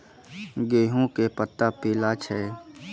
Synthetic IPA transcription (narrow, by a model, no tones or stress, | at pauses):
ɡeːɦõkepət̪ːapiːlat͡ʃʰɛː